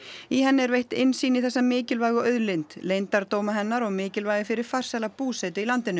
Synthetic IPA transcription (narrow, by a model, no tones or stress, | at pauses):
iɦɛnːɪɛɾvejht̪ɪnsiːnɪθɛsːamɪːcɪlvajɣʏœðlejnt̪lejnt̪aɾt̪oːwmaɦɛnːaɾɔɣmɪːcɪlvaːjɣɪfɪɾɪɾ̥far̥salapuːsɛjt̪ʏilant̪ɪnːʏ